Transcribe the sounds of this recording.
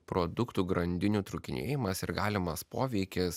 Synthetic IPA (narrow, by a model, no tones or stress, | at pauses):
pɾoːd̪ʊkt̪uːɡɾɐnʲd̪ʲɪnʲuːt̪ɾʊkʲɪnʲḛːjɪmɐsɪɾɡɑːlʲɪmɐspoːʋʲɛɪkʲɪs